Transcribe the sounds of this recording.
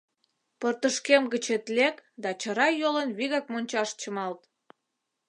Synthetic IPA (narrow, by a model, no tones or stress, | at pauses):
pərt̪əʃkemɡət͡ɕet̪lekd̪ɑt͡ɕə̆ɾɑjolənβiɣɑk̚monʲt͡ɕɑʃt͡ɕəmɑlt̪